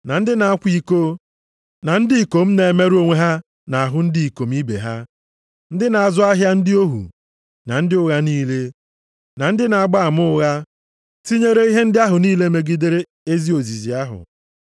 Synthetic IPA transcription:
na˨n̩˦dɪ˦na˨a˦kʷi˦ko˦ | na˨n̩˦dɪ˦i˨ko˨m̩˦ne˨e˨˦me˦ɾu˦o˦ŋʷe˦ɦa˦ | na˨a˨ɦʊ˦n̩˦di˦˨i˨ko˨m˦i˦bḛ˨ɦa˦ | n̩˦dɪ˦na˨a˨zʊ˦a˦ɦja˦n̩˦dɪ˦o˦ɦṵ˨ | na˨n̩˦dɪ˦ʊ˦ɣa˦niː˦le˦ | na˨n̩˦dɪ˦na˨a˨ɡ͡ba˦a˨mʊ˦ʊ˦ɣa˦ | ti˦ɲe˦ɾe˦i˦ɦe˦n̩˦dɪ˦a˦ɦʊ˨niː˦le˦me˨ɡi˦de˦ɾe˦ | e˦zi˦o˨zi˨zi˨a˦ɦʊ̰˨

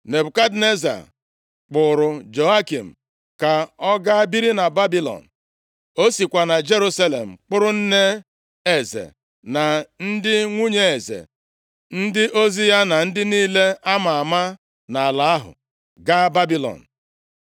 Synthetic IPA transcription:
ne˨bʊ˨ka˦dne˦za̰˨ | k͡pʊ˨ɾʊ˨d͡ʒo˨a˦ki˨m̩˨ | ka˨ɔ˦ɡa˦a˦bi˦ɾi˦na˨ba˦bi˦lɔ̰˨n̩˨ | o˦si˨kʷa˨na˨d͡ʒe˦ɾu˦sa˦lḛ˨m̩˨k͡pʊ˦ɾʊ˦n̩˦ne˦ | e˨zḛ˨ | na˨n̩˦dɪ˦ŋʷu˦ɲe˨e˨zḛ˨ | n̩˦dɪ˦ʔo˦zi˦ja˦na˨n̩˦dɪ˦niː˦le˦a˦ma˨a˨ma˦ | na˨a˨la˦a˦ɦʊ̰˨ | ɡa˦ba˦bi˦lɔ̰˨n̩˨

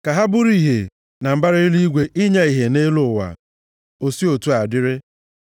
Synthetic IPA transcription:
ka˨ɦa˦bʊ˦ɾi˨ɦe˨ | na˨m̩˨ba˦ɾe˦i˦li˦i˦ɡʷe˨ʔi˦ɲa˦i˨ɦe˨ne˦lʊ˨wa̰˨ | o˨si˦o˨tu˦a˨dɪ˦ɾɪ˦

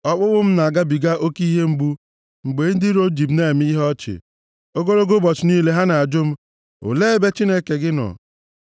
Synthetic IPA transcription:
ɔ˦k͡pʊ˦bʊ˦m̩˦na˨a˨ɡa˦bi˨ɡa˦ʔo˦ki˦ɦe˦ŋ͡m̩˨ɡ͡bu˦ | ŋ͡m̩˨ɡ͡be˨˦n̩˦dɪ˦ɾo˦d͡ʒi˨bne˦˨m˦i˦ɦɔ˦t͡ʃɪ̰˨ | o˦ɡo˦ɾo˦ɡo˦bɔ˨t͡ʃɪ˨niː˦le˦ɦa˦na˨a˨d͡ʒʊ˦m̩˦ | o̰˨le˦be˦t͡ʃi˦ne˦ke˨ɡɪ˦nɔ̰˨

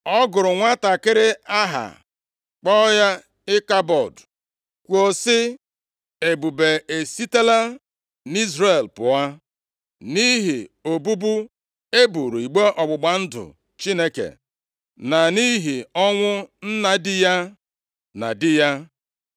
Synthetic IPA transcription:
ɔ˦ɡʊ˨ɾʊ˨ŋʷa˦ta˨kɪ˦ɾɪ˦a˦ɦa̰˨ | k͡pɔ˦ja˦ | ɪ˦ka˦bɔ˨d | kʷo˨sɪ˦ | e˨bu˨be˨e˨si˦te˦la˦ | ni˦zɾe˨lpʊ˨a˦ | ni˦ɦi˨o˨bu˦bu˦ | e˦bu˨ɾu˨i˨ɡ͡be˦ʔɔ˨ɡ͡bʊ˨ɡ͡ba˨n̩˦dʊ̰˨ | t͡ʃi˦ne˦kḛ˨ | na˨ni˦ɦi˨ɔ˦ŋʷʊ˦n̩˦na˨dɪ˦ja˦ | na̰˨dɪ˦ja˦

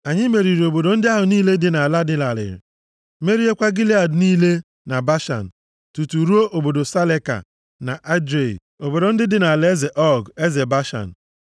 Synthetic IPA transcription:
a˨ɲɪ˦me˨ɾi˨ɾi˨o˨bo˨do˨n̩˦dɪ˦a˦ɦʊ˨niː˦le˦dɪ˨na˨la˦dɪ˦la˨lɪ̰˨ɾɪ̰˨ | me˦ɾi˦e˦kʷa˦ɡi˦li˦a˨dniː˦le˦ | na˨ba˦ʃa̰˨n̩˨ | tu˨tu˨ɾu˦o˦ʔo˨bo˨do˨sa˦le˦ka̰˨ | na˨ʔa˦dɾḛ˨ | o˨bo˨do˨n̩˦dɪ˦dɪ˦na˨le˦ze˨ʔɔ˦ɡe˦ze˨ba˦ʃa̰˨n̩˨

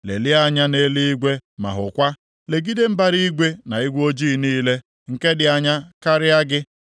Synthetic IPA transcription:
lḛ˨lɪ˦a˦ɲa˦ne˦li˦i˦ɡʷe˦ma̰˨ɦʊ̰˨kʷa˦ | le˨ɡi˦de˦m̩˦ba˦ɾi˦ɡʷe˦na˨i˦ɡʷo˦d͡ʒiː˦˨niː˦le˦ | ŋ̩˨ke˦dɪ˨a˨ɲa˦ka˦ɾɪ˦a˦ɡɪ˦

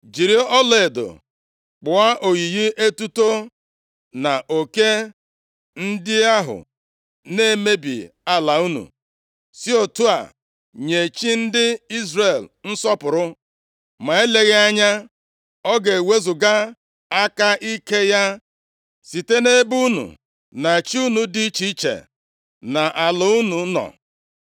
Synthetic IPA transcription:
d͡ʒi˨ɾi˦ɔ˦le˨e˨do̰˨ | k͡pʊ˨a˦ʔo˨ɣi˨ɣi˦ʔe˦tu˦to˦ | na˨ʔo˨ke˦ | n̩˦dɪ˦a˦ɦʊ̰˨ | ne˦˨me˦bḭ˨ | a˦la˨u˦nṵ˨ | si˦o˨tu˦a̰˨ | ɲe˨t͡ʃi˦n̩˦dɪ˦i˦zre˨ln̩˦sɔ˦pʊ˨ɾʊ˦ | ma˨e˦le˨ɣe˦a˦ɲa˦ | ɔ˦ɡe˨we˦zu˨ɡa˦ | a˦ka˦i˦ke˦ja˦ | si˨te˦ne˦bu˦nṵ˨ | na˨t͡ʃi˦u˦nu˨di˦t͡ʃi˦t͡ʃḛ˨ | na˨ʔa˨lʊ˨˦u˦nu˨˦nɔ̰˨

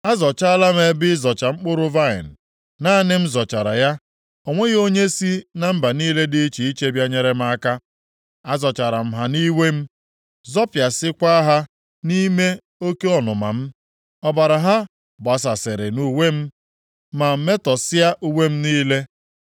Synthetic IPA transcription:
a˦zɔ˨t͡ʃa˦la˦me˨˦bɪ˦zɔ˨t͡ʃa˨ŋ͡m̩˦k͡pʊ˦ɾʊ˦va˦ɪ̰˨n̩˨ | na˦nɪ˦m̩˦zɔ˨t͡ʃa˨ɾa̰˨ja˦ | o˨ŋʷe˦ɣo˦ɲe˦si˦na˨m̩˦ba˨niː˦le˦dɪ˦t͡ʃi˨i˦t͡ʃe˦bja˦ɲe˨ɾe˦m̩˦a˦ka˦ | a˦zɔ˨t͡ʃa˨ɾa˨m̩˦ɦa˨ni˦we˦m̩˦ | zɔ˦pja˨sɪ˦kʷa˦ɦa˦ | ni˦me˦ | o˦ke˦ɔ˨nʊ˨ma̰˨m̩˦ | ɔ˦ba˨ɾa˨ɦa˦ | ba˨s̬a˨sɪ˨ɾɪ˨nu˨we˦m̩˦ | ma˨m̩˦me˦tɔ˨sɪ˦a˦ʔu˦we˦m̩˦niː˦le˦

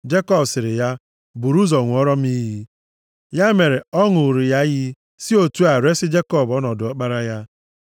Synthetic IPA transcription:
d͡ʒe˦kɔ˦bsɪ˨ɾɪ˨ja˦ | bu˨ɾu˦zɔ˨ŋʷʊ˨ɔ˦ɾɔ˦m̩˦i˦ɦi˦ | ja˦me˨ɾe˨ɔ˦ŋʊ˨ɾi˨ja˦ji˦ | si˦o˨tu˦a˨ɾe˦sɪ˦d͡ʒe˦kɔ˦˨bɔ˦nɔ˨dʊ˨ɔ˦k͡pa˦ɾa˦ja˦

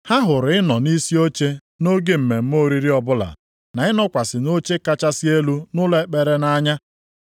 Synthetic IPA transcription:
ha˦ɦʊ˨ɾɪ˦nɔ˨ni˦si˦o˦t͡ʃe˦ | no˦ɡe˦m̩˨me˨m̩˦mo˦ɾi˦ɾi˦ɔ˦bʊ˦la̰˨ | na˨˦ɪ˦nɔ˦kʷa˨sɪ˨no˦t͡ʃe˦ka˦t͡ʃa˦si˦e˦lu˦nʊ˦le˦k͡pe˨ɾe˦na˦ɲa˦

